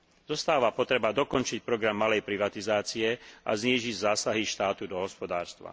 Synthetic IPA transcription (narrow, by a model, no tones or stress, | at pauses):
zɔst̪aːʋapɔt̪ɾɛbad̪ɔkɔnt͡ʃic̚pɾɔɡɾamːalɛjpɾiʋat̪izaːt͡siɛʔa̰zɲiːʒiɟzaːsaɦiʃt̪aːt̪ud̪ɔɦɔspɔd̪aːɾst̪ʋa̰